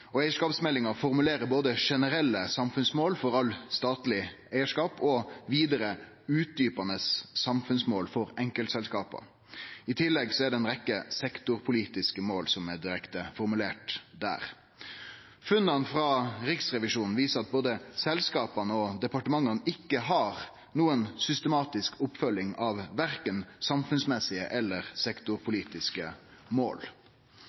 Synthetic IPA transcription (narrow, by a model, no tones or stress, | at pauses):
ɔæɪəʂkɑːpsmɛlːɪŋɑfɔʁmʉleːɾəboːd̪əʂɛnəɾɛlːəsɑmfʉnsmoːlfɔɾɑlst̪ɑːt̪lɪ | æɪəʂkɑːpɔʋiːd̪əɾə | ʉːt̪̚d̪yːpɑnəsːɑmfʉnsmoːlfɔɾɛŋkəlt̪sɛlskɑːpɑ̰ | ɪt̪ʰɪlːɛɡsɔæɖɛɛnɾɛkːəsɛkt̪ʊɾpʰʊliːt̪ɪskəmoːlsɔmɛd̪ɪɾɛkt̪əfɔɾmʉleːʈd̪æ̰ːʁ | fʉnːɑnfɾɑɾɪksʁɛʋɪʂuːnn̩ʋiːsəʁɑt̪̚boːd̪əsɛlskɑːpɑnəɔd̪ɛpɑʈəmɑŋɑnəʔɪkːəɦɑɾ | nuːənsʏst̪əmɑːt̪ɪskʰʊpfœlːɪŋɑʋʋæʁkənsɑmfʉnsmɛsɪə̰ʔɛlːəʁsɛkt̪ʊɾpʰʊliːt̪ɪskəmo̰ːl